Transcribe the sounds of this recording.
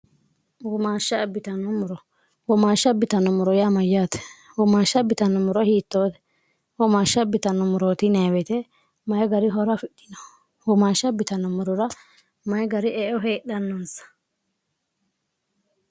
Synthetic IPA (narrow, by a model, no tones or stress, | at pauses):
wɔmaːʃːɐbɪt̪ɐnɔmʊɾɔ | wɔmaːʃːɐbɪt̪ɐnɔmʊɾɔjamɐjːaːt̪ɛ̥ | wɔmaːʃːɐbɪt̪ɐnːɔmʊɾɔhiːt̪ːoːt̪ɛ̥ | wɔmaːʃːɐbɪt̪ɐnːɔmʊɾoːt̪ɪnɛwɛt̪ɛ | mɐjɡɐɾɪɦɔɾɐfɪɗɪnɔ | wɔmaːʃɐbɪt̪ɐnɔmʊɾɔɾɐ | mɐjɡɐɾɪʔɛʔɔɦeːɗɐnːɐnsɐ̥